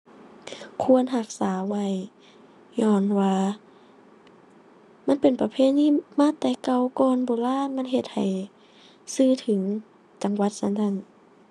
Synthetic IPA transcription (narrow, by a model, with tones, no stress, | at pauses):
kʰu˧˨ənɦa˧˩k̚saː˩˨˦wa˧˩j | ɲɔː˧˩nwaː˧ | ma˧˥˨npe˨˩npa˧pʰeː˧˥˨t̪̚niː˧˥˩maː˧˥˨t̪ɛː˧˩ka˧wkɔː˧nbɔː˨˩laː˧˥˨ma˧˥˨nɦe˧˩t̪̚ha˨˩j | sɯː˧˩˨t̪ʰɯ˨˩˦ŋ | t͡ɕa˨˧˦ŋwa˧˦t̪̚sa˧˥˨ntʰa˧˥˨n